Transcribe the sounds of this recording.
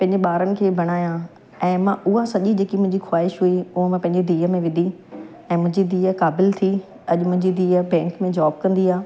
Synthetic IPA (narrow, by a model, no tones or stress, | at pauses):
pɐ̃ɦɪ̃ɲd͡ʑeɓaːɾənɪ̆kʰeːbʱɐɽ̃aːjã | ɛ̃ːmãʔʊɦasɐʄid͡ʑeːkimʊ̃ɦɪ̃ɲd͡ʑixwaːɪʃɦuiʊɦəmãpɐ̃ɦɪ̃ɲd͡ʑed̪iːəmẽʋɪ̃nd̪ʱi | ɛ̃ːmʊ̃ɦɪ̃ɲd͡ʑid̪ʱiːəkaːbɪlt̪ʰi | ɐʄʊmʊ̃ɦɪ̃ɲd͡ʑid̪ʱiːəbɛ̃ːŋkmẽd͡ʑaːb̚kɐ̃nd̪iaː